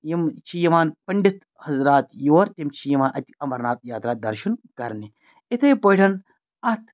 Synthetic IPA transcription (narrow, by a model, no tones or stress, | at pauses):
jimt͡ʃʰijɐmaːnpɐɳɖit̪ | hɐzɾaːt̪joːɾt̪ʲimt͡ʃʰijɐmaːnʔɐt̪ʲɐmɐɾnaːt̪̚jaːt̪ɾaːt̪̚d̪ɐɾʃɐnkɐ̰ɾni | it̪ʰɐjpɐʈʰɐn | ɐt̪ʰ